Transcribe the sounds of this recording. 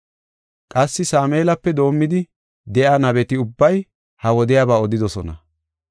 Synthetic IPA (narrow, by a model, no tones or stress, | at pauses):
kʼɐsːɪsaːmeːlɐpːɛd̪o̞ːmːɪd̪ɪ | d̪ɛʔaːnɐbɛt̪ɪʊbːɐj | hɐwɔd̪ɪjaːbaːɔd̪ɪd̪ɔsɔnɐ̰